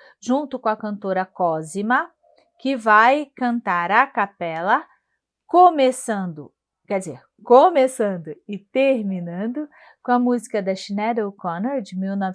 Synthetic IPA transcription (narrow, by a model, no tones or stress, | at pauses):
ʒũnt̪ʊkõɐkɐ̃nt̪oɾɐkɔzimɐ | kɪvajkɐ̃nt̪aɾɐkapɛlɐ | komesɐ̃nd̪ʊ̰ | kɛd͡ʒɪzeɾ | komesɐ̃nd̪ʊɪt̪eɾmĩnɐ̃nd̪ʊ | kõɐmuzikɐd̪ɐʃinɛd̪ewkɔ̃neɾd͡ʒɪmiwna